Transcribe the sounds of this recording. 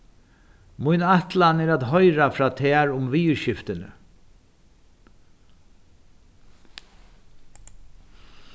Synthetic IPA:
mʊjnaht̪lanɛːɾat̪ɦɔjɾafɾaːt̪ʰɛːɾʊmʋiːɾʃɪft̪ɪnə̰

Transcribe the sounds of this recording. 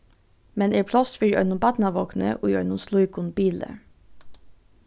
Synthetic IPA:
mɛneːpʰlɔsfiɾœ̰ʏnʊmbɑt̪nɑʋoknə̰ʔoːjœʏnʊmsluɪkʊnbiːlə̰

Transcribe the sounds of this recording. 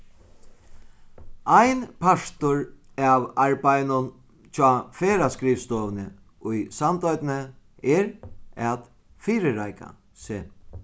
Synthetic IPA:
ajnpʰaʂt̪ʊɹ | aʋaɹbajnʊn | t͡ɕʰɔːfeːɾaskɾiːfst̪oːʋnə | ʊjsant̪ɔjt̪nə | ɛɾat̪ | fiːɾɪɾajka̰ | seː

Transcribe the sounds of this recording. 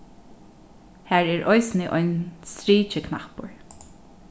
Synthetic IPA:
hæːɹɛːɹʔɔɪsnɪʔɔ̰jnst̪ɾiːt͡ʃɪkʰnahpʊɹ

